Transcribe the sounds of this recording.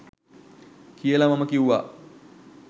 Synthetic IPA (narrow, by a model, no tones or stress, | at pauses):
kijəlamaməkiwʋa